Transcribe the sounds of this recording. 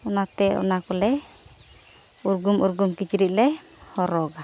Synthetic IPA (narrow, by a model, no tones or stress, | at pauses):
unat̪ɛɔ̰nakulɛ | uɾɡumuɾɡumkit͡ʃiɾiʔlɛ | hɔɾɔɡa